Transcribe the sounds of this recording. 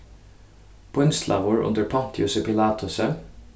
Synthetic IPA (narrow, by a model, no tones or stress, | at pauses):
b̥ʰɔʏnst̪lʔɑ̰ʋʊːɹʔʉ̰nd̪əɹpʰɑnt̪ʰɪjʊsəpʰɪlɑːt̪ʰʊsə